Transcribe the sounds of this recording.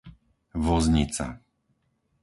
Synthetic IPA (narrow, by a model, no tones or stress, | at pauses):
ʋɔzɲit͡sa̰